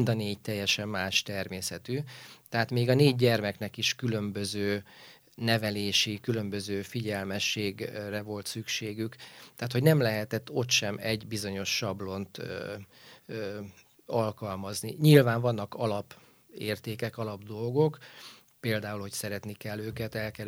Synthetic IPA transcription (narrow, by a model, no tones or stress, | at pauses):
nd̪ɒneːɟt̪ɛjːɛʃɛmːaːʃt̪ɛrmeːsɛt̪yt̪ɛɦaːt̪meːɡɒneːɟɟɛrmɛknɛkiʃkylømbøzøː | nɛvɛleːʃikylø̞mbø̞zøːfiɟɛlmɛʃːeːɡrɛvo̞lt̪sykʃeːɡykt̪ɛɦaːt̪ho̞ɟnɛmlɛɦɛt̪ɛt̪ːo̞t̪ʃɛmɛɟbizo̞ɲo̞ʃːɒblo̞nt̪ | ɒlkɒlmɒzniɲilvaːɱvɒnːɒkɒlɒp | eːrt̪eːkɛkɒlɒbd̪o̞lɡo̞k | peːld̪aːulho̞csɛɾɛt̪nikɛlːøːkɛt̪ɛlkɛ